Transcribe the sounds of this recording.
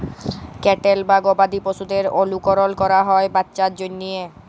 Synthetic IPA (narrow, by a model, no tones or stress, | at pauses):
kɛʈelbaɡobad̪ipoʃud̪eɾolukoɾolkɔɾaɦɔebatːɕaɾd͡ʑonːije